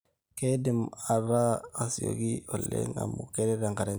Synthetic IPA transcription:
ke˦di˨ma˨ɾa˦a˨si˨jo̰˨ɡi˦o˨lḛ˦ŋa˨mu˨ke˦ɾe˦ɾa˨ŋka˨ɾa˨

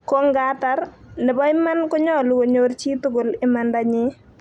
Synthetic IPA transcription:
ko˦ŋɡa˦ta˨ɾ | nɪ˨bɔ˦ɪ˦ma˦nkʊ˦ɲɔ˦˨lʊ˨wo˨ɲo˦ɾt͡ʃi˦tʊ˦ɡʊ˨lɪ˦ma˨nda˦ɲɪ˦

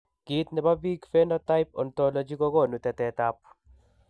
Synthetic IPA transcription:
ɡ̥i˨t̪nɛ˨ba˦bi˦ɡfɛ˦nɔ˦t̪a˦jp̚ɔ̰˨nt̪ɔ˦lo˨d͡ʒi˦kɔ˦ɡɔ˦˨nu˨tɛ˨tɛ˨ta˦p̚

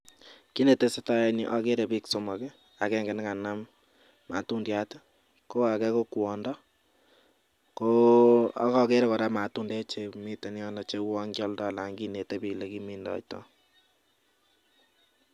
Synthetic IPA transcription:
ki˦ne˨te˦se˦ta˦ni˨ʔa˨ke˦ɾe˨bi˦kso˨mɔ˨kɛ˦ | a˨kɛ˦ŋɡɪ˨n˦ka˨na˦mː | a̰˨tu˦ndja˦tɛ˦ | ko˦a˨kɛ˦ko˦kwɔ˨ndɔ˦ | ko˦a̰˨˦kɔ˦ke˦ɾe˦kɔ˨ɾa˦ma˨tu˦nde˦t͡ʃe˨mi˦te˨ni˦ɔ˦nɔ˨t͡ʃe˦wɔ˦ŋɡɔ˦ldɔ˦˨la˨ŋɡi˦ne˨te˦bi˨le˨ki˦mi˦ndɔ̰˨tɔ̰˦

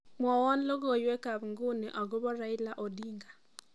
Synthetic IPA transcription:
mwɔ˨wɔ˦n˦lo˦ɣo˨jwɛ˦ka˨bŋɡu˦ne˨ʔɔ˨ɡo˦βɔ˦ɾa˨ɪ˦la˦ʔo˨di˦ŋɡa˨

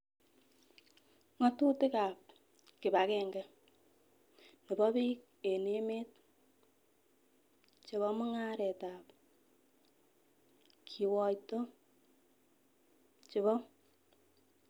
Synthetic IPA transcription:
ŋɔ˦tu˦tɪ˦ka˨p̚ | kɪ˨ba˨kɛ˦ŋɡɛ˦ | ni˨bɔ˦bi˦k̚ | e˨ne˦meː˦t̚ | t͡ʃi˨βɔ˦mu˦ŋa˦ɾɛ˨ta˨p | kʰi˨wɔ˨jto˦ | t͡ʃi˨βɔ˦

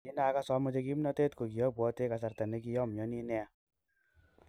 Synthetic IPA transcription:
i˦naː˨˦ka˦sɔ˦mɔ˦t͡ʃe˧ki˦mna˦te˦t̪ko˨ki˨jɔ˦pwɔ˨˦te˦ka˨sa˨ɾt̪a˨ne˦ki˦jɔ˦m˨jɔ˨ni˦nɛ˦a˨

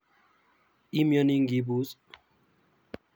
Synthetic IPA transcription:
i˦mjɔ˦ni˦ŋɡi˦bu˨˦s

